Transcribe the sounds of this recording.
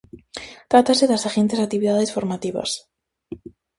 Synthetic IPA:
t̪ɾat̪aseðasaxent̪esak̚t̪iβiðaðesfo̞ɾmat̪iβa̰s

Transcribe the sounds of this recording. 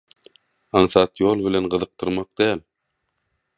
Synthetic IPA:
ɑɴθɑt̪jolˠbɪlenɢɤ̆ðɯ̆q̚t̪ʰɯɾmɑq̚d̪̥æːl

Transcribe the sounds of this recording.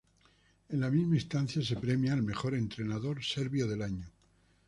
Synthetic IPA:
enlamizmaist̪an̟θjas̬e̞pɾe̞mjalme̞xo̞ɾe̞nt̪ɾe̞naðo̞ɾse̞ɾβjoðe̞laɲo

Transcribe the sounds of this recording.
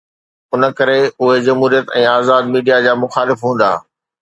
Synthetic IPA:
ʊnəkɐɾeʊɦezɐmɦuːɾijət̪ɛ̃ːaːzaːd̪miːɖijad͡ʑaːmʊxaːlɪfɦũːn̆d̪a̰ː

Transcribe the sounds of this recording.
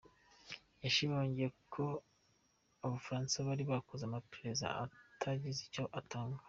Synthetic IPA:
jaʃiβaoɲɟekʰo | aβafaɾaːnsaβaɾiβakuzamapɾeza̰a̰tʰaɟizico̞ʔatʰaːŋɡa

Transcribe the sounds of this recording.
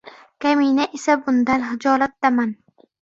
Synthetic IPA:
kʰaminaʔesabʊnd̪anɦɪd͡ʒɒlat̪̚d̪aman

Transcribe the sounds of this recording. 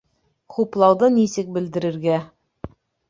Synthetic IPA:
χuplˠɑwðɤnisɘk̚bɘ̆ld̪ɘ̆ɾɘ̆ɾɡæ

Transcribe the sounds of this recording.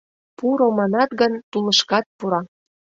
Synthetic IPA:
puɾomɑnɑt̪ɡənt̪ulə̆ʃkɑt̪̚puɾɑ

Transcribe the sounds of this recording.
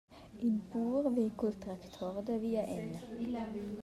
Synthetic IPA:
ʔiːbuːʁʋɪkʊlt̪ʁɛkt̪ʰɔʁd̪əʋiːɑʔenə

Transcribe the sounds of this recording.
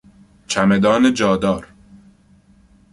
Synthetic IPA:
t͡ʃʰæmed̪ɒːned͡ʒɒːd̪ɒːɾ

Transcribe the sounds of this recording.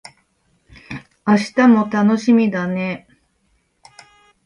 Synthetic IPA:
aɕi̥t̪amo̞t̪ano̞ɕimʲid̪ane̞

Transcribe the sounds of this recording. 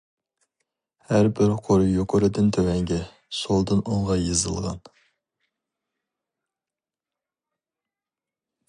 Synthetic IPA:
hæɾbɪɾqʰoɾɨjoqʰʊɾɨd̪ɨnt̪ʰøwɛŋɡʲɛ | solˠd̪ɨnoŋʁɑjɨzɨ̰lˠʁɑ̰n

